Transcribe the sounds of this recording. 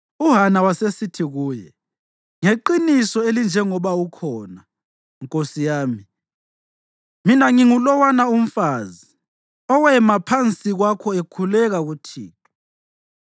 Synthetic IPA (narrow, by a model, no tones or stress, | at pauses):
uɦanawasesitʰiɣuːjɛ̰ | ŋeǃinisɔelind͡ʒʱɛŋɔβaukʰɔːna | ŋkʼosijaːmi | minaŋiŋulɔwanaum̩faːzi | ɔwɛmapʰant͡sʼiɣwakʰɔekʰulɛɣaɣutʰḭːtʰɔ̥